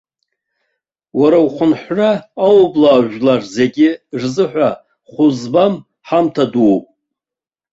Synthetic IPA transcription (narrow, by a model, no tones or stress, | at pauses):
waɾawχʷʊnħʷraːwblaːʒᶣlarze̞ɡʲɪrzɨħᶣʷa | χʷʊzbam | ħamtʰadupʼ